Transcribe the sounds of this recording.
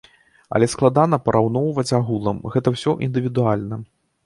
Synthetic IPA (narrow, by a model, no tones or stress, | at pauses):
ɐ̰lʲɛsklˠad̪anɐpɐɾʔawn̪ɔwvɐt͡sʲaɣulˠɐmɣɛt̪ɐwsʲɔʔind̪ɨvʲid̪ualʲnɐ